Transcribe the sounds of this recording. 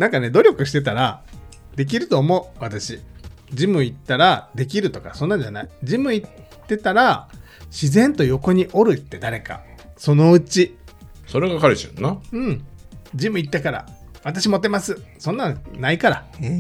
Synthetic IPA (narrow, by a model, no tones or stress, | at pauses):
nãŋkane̞d̪o̞ɾʲokɯ̟ɕi̥t̪e̞t̪aɾa | d̪e̞k̬ʲiɾɯ̟t̪o̞ːmo̞ɯ̟βat̪aɕi | d͡ʑimɯ̟it̪ːaɾad̪e̞k̬ʲiɾɯ̟t̪o̞ka̰sõ̞nːãɲd͡ʑanaid͡ʑimɯ̟it̪ːe̞t̪aɾa | ɕizẽ̞nt̪o̞jo̞ko̞ɲ̟iʔo̞ɾɯ̟t̪ːe̞d̪aɾe̞ka̰so̞no̞ɯ̟t͡ɕi | so̞ɾeɡakaɾɯɕonːaɯ̟̃ɴd͡ʑimɯ̟it̪ːakaɾa̰βat̪aɕimo̞t̪ːe̞masɨsõ̞nːãnaikaɾa